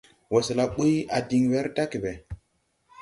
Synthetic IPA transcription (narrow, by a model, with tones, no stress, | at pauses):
we˨sla˨ɓu˦ja˨di˨ŋwe˦ɾta˦ki˨be˨